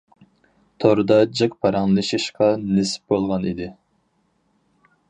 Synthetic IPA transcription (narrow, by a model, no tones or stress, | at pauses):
t̪ʰoɾɨd̪ɑd͡ʒɨq̚pʰɑɾɑŋlˠɨʃiʃqɑnesp̚bolˠʁɑnid̪ɪ